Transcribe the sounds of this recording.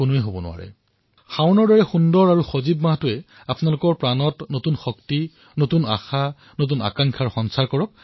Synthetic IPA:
ʊnʊɛɦobɔnʊ̰wa̰ɹɛ̰ | xaʊnɔɹdɔɹɛxundɔɹaɹuxozibmaɦatʊɛ | apnalʊkɔɹpɹanɔtnotunxɔkti | notuna̰xa | not̬una̰kaŋkʰaɹxɔnsaɹkɔɹɔk̚

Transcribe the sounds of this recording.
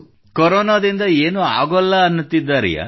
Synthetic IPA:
kɔɾɔːnad̪ind̪ɐeːnua̰ːɡɐlːɐːnːut̪ːid̪ːaːɾḭja̰

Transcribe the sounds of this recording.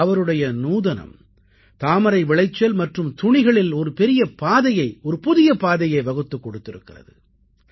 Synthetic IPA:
ɐʋɐɾɯɽɐjɐnuːðɐnɐ̰m | t̪aːmɐɾɐɪʋɪɭɐɪt͡ʃːɐlmɐʈrɯmt̪ʊɳɪɣɐɭɪlɔɾɯpɛɾɪjɐpaːðɐjɐɪɔɾɯpʊðɪjɐpaːðɐjɐɪʋɐɣɯt̪ːɯkːɔɽɯt̪ːɪɾɯkːɪrɐ̰ðɯ

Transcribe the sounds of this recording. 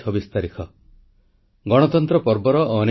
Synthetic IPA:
ɔbist̪aɾikʰɔ | ɡɔɽ̃ɔt̪ɔnt̪ɾɔpɔɾbɔɾɔʔːne

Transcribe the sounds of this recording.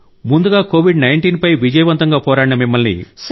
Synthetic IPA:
mund̪uɡaːkoːʋiɖnɐjɳʈiːnpɐjʋid͡ʒɐjɐʋɐnt̪ɐŋɡaːpɔːɾaːɽinɐmimːɐlnḭs

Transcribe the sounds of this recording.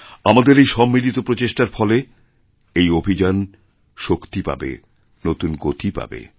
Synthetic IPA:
amad̪eɾejʃɔmːilit̪opɾot͡ɕeʃʈaɾfɔle | ejobʱid͡ʑan | ʃokt̪ipa̰bḛ | not̪unɡot̪ʰipa̰bḛ

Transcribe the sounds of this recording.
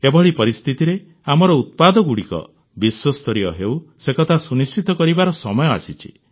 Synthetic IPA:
ebɔɭipɔɾist̪ʰit̪iɾe | amɔɾɔut̪̚pad̪ɔɡuɽikɔ̰ | biswɔst̪ɔɾiɔɦewsekɔt̪ʰasunist͡ʃit̪ɔkɔɾibaɾɔsɔmɔjɔa̰sit͡ʃʰḭ

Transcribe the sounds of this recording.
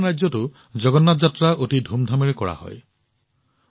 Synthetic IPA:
ɹajzɔtʊ | zɔɡɔnːatzatɹaʔotidʱumdʱameɹɛkɔɹa̰hɔ̰j

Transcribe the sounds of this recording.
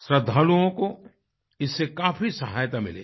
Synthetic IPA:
sɾɐd̪ʱːaːluõko | ɪsːekaːfisɐɦaːjt̪amɪ̰lḛː

